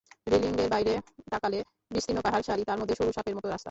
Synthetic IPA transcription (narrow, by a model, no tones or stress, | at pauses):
ɾeliŋɡeɾbajɾed̪akale | biʃt̪inːopaɦaɾʃaɾit̪aɾmod̪ʱːeʃoɾuʃapeɾmɔt̪oɾast̪a